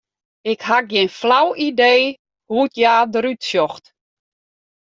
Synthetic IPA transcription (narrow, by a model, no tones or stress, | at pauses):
ɪkhak̚ɡjɪnflawideː | hutjaːdəɾytsjɔxt